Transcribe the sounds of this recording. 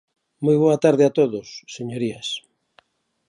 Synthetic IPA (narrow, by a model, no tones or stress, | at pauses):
mojβ̞oɐt̪aɾðeat̪oðosːeɲoɾiɐs